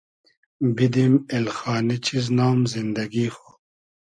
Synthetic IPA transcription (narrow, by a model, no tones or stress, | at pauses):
bid̪imelxaːnit͡ɕʰiznaːmzind̪ɐɡiːxoː